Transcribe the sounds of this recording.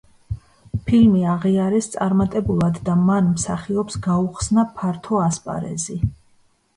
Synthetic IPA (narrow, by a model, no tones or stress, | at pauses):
pʰilmiaʁiaɾɛst̪sʼaɾmat̪ʼɛbulˠad̪ːamanmsaχiɔpsɡauχsnapʰaɾt̪ʰɔaspʼa̰ɾɛ̰zi